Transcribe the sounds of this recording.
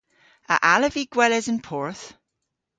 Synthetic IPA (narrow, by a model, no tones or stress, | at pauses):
ə̰ʔaləviɡ̥wɛlɪzə̃npʰɔɹθ